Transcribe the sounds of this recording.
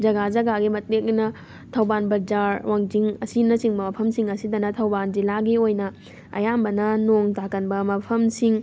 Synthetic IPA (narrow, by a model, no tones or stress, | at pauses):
d͡ʒɐɡad͡ʒɐɡaɡimɐt̚lek̚nɐ | tʰɐwbanbɐɾd͡ʒaɾwʔaŋd͡ʒiŋɐsinɐsiŋbɐmɐpʰɐmsiŋɐsidɐnɐtʰɐwband͡ʒilaɡiojnɐ | ɐ̰jambɐnɐnoŋtakːɐnbɐmɐpʰɐmsiŋ